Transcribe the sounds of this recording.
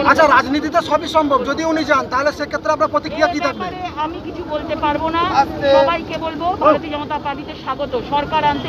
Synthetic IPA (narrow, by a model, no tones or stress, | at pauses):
atːt͡ɕʰaɾad͡ʑnit̪̬it̪eʃɔbiʃɔmbʱobd͡ʑod̪iunid͡ʑant̪aɦoleʃekʰet̪ːɾeamɾapɾot̪ikɾijakit̪ʰak̚beeamikit͡ɕʰubolt̪epaɾbonaaeɔbajkebolbobʱaɾot̪iod͡ʑɔnot̪apaɾʈid̪eɾʃaɡot̪oʃɔɾkaɾant̪e